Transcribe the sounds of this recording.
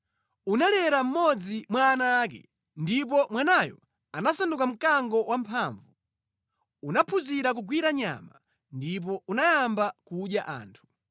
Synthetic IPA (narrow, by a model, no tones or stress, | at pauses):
unalɛɾam̩mɔd͡zimwaːnaːk̬ɛ̰ | ndip̬ɔmwanajɔ̰ | anasandukam̩kaŋɡɔwampʰaɱvu | unapʰuziɾak̬uɡwiɾaɲa̰ma | ndip̬ɔunajambakuɗjaʔa̰ːntʰu̥